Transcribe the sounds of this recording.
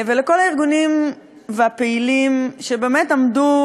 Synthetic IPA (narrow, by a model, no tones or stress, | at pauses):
veleko̞laiʁɡunim | veapeilimʃe̞beːmetamdu